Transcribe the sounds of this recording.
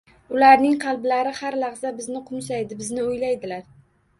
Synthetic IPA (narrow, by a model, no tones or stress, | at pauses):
ʊlaɾnɪŋqʰɑlˠblaɾɪhaɾlaʁzabɪznɪqʰʊnsajd̪ɪbɪznɪʊjlajd̪ɪlaɾ